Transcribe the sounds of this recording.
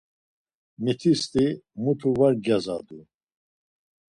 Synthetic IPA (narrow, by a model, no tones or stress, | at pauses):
mit̪ʰist̪ʼimut̪ʰuvaɾɡaza̰d̪u